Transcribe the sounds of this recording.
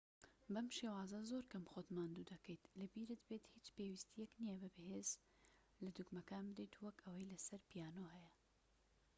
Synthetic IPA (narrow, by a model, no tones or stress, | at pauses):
bɐmʃewaːzɐzoɾkɐmxod̪maːnd̪uːd̪ɐkʰɐjt̪lɐbiɾɨt̪beːt̪hiːt͡ʃpewist̪ijɛknijɐbɨbɨheːz | lɐd̪ukmɐkaːnbɨd̪ejt̪ʰuwɐkɐwɐjlɐsɐɾpijaːnoːhɛjɐ